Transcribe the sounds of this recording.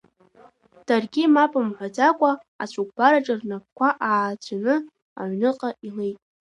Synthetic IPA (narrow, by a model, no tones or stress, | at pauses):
d̥arɡʲimapʼɨmħʷad͡zakʷʼa | a̰t͡ɕʷʰuk̚ʷʰʼb̥aɾaʈ͡ʂʼɨrnap̚kʷʰaʔaːt͡ɕʷanɨ | a̰ʕʷnɨqʼailejtʼ